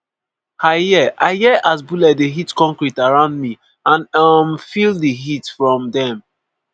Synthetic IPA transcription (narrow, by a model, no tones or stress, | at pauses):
haɪjɛʔaɪjɛʔasbulɛt̚deɦitkɔ̃ŋkɹitaɹãʊ̃ndmi | ãnamfildiɦitfɹɔ̃mdɛ̃m